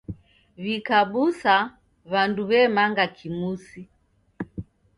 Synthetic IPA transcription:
βikaɓusa | βanduβɛmaŋɡakʰimusi

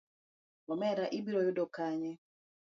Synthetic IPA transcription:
lɔmɛɾaʔibiɾɔjʊdɔkaɲɛ

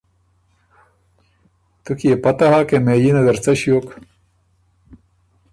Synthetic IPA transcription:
t̪ukjepɐt̪aɦaːkemẽːjinɐzɐɾt͡sɐɕijoːk

